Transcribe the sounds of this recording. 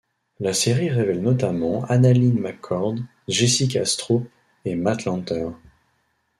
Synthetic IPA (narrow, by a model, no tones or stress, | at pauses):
laseʁiʁevɛlnɔt̪amɑ̃analinmakʰɔʁd̪ | ʒesikast̪χo | emat̪lɑ̃t̪œʁ